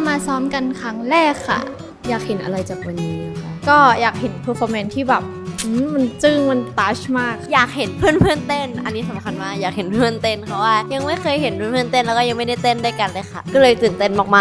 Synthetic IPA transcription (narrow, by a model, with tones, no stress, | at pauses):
maː˧sɔː˦˥mka˧nkʰa˦˥ŋɾɛː˥˩kʰːa̰˧˩ | jaː˨˩k̚he˨˩˦nʔa̰˧ɾa˧jt͡ɕaː˨˩k̚wa˧nːiː˦˥˩kɔː˥˩jaː˨˩k̚he˩˦npʰɤː˧˥fʰɔː˧mɛ˧˦nt̪ʰiː˥˩bɛː˨˩p̚ʔɯː˧˥ma˧nt͡ɕɯː˥˩ŋma˧nt̪aː˦˥t͡ɕmaː˥˩k̚jaː˨˩k̚he˩˦npʰɯ˥˩ənpʰɯ˥˩ənt̪e˥˩nʔa˧nːiː˦˥sa˨˩˦mkʰa˧nmaː˧˩jaː˨˩k̚he˩˦npʰɯ˥˩ə˨nt̪e˧˩npʰa˧˩waː˥˩ja˧ŋma˥˩jkʰɤː˧jhe˨˦npʰɯː˥˨pʰɯ˥˩ə˨nt̪e˥˩nlɛ˦wkɔ˥˩ja˧ŋma˥˩jda˥˩jt̪e˥˩nduː˥˩jka˧nlɤː˧˩jxʰa̰˥˩kɔː˥˩lɤː˧jt̪ɯː˨˩nt̪e˥˩nʔɔː˨˩k̚maː˧